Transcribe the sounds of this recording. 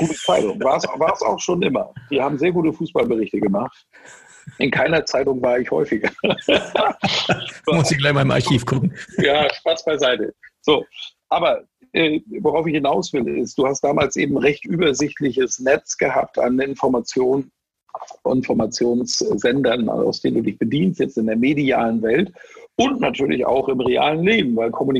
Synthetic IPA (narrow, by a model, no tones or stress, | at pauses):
ɡ̥uːtət͡saɪtʊŋvaːɐsvaːɐsa̰ʊxʃoːnʔɪmɐ̰d̥iːhaːbm̩zeːɐɡuːtəfuːsb̥albəʁɪçtəɡəmaχt | ʔɪnkʰaɪnɐt͡saɪtʊŋvaːɐɪçhɔ̰ʏfɪɡɐ | mʊstɪɡlaɪçmaɪɪmʔa̰ɐçiːfɡ̥ʊkŋ̩jaːʃpasb̥aɪzaɪtə̰z̥oːʔaːbɐ | ʔɛːvoʁaʊfɪçhɪnaʊsv̥ɪlɪ̰st̚d̥uːhastd̥aːmaːlsʔeːbm̩ʁɛçtʔyːbɐzɪtʰlɪçəsnɛt͡sɡ̥əɦaːp̚ta̰nɪnfɔɐmat͡sjoːn | ɪ̰nfɔɐmat͡sjoːnsz̥ɛndɐn̰a̰ʊsd̥eːnduːdɪçb̥ədiːnstjɛt͡stɪndeːɐmedia̰ːlənvɛltʔʊntnatʰyːɐlɪ̰ça̰ʊxɪmʁeʔa̰ːlənleːbm̩vaɪlkʰɔmuni